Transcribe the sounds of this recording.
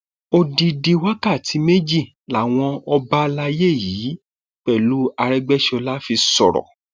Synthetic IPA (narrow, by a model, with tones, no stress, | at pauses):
o˧di˧di˧wa˦ka˦˨tʰi˨˦me˦d͡ʒi˦˨ | la˨w̃ɔ̃˧ɔ˧ba˦˧la˧je˦˨jiː˨˦ | k͡pɛ˦˨lu˨˦a˧ɾɛ˦ɡ͡bɛ˦ʃɔ˧la˦fi˧sɔ˨ɾɔ̰˨